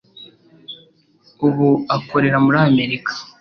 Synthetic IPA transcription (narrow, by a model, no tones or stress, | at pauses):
uβuako̞ɾe̞ɾamuɾaːme̞ɾikḁ